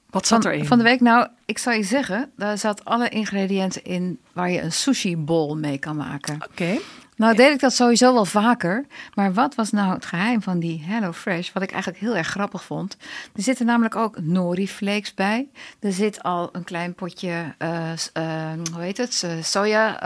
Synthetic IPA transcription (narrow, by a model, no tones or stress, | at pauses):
ʋsnfɔndəʋejknɔw | ɪksɔlˠiszɛɣəndaɹzatɑləʔɪnχreːdiɛntəʔɪn | ʋaːɹjəʔənsuʃibolˠmejkɑnma̰ːkəke | nɔwdeɪɡ̚dɔtsoːɦizowʋɛlˠvaːkəɹmaːɹʋɔtʋɑsnɔwətχəɦɛjmvɔndiɦɛlowfrɛʃʋɑtɪkʔɛ̰jənləkɦɪəːlˠɛɹχχrɑpəxfɔntd̥əɹzɪtənaːmələkowknoːɾifleːksbɛjd̥əɹzɪtʰɔlˠənklɛjnpɔcə | ɦuɦetətsoːja